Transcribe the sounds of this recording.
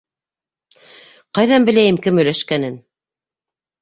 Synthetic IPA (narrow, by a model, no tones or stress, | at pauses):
qɑjðɑnbɘ̆læjɘmkɘmɵ̆jlæʃkænɘn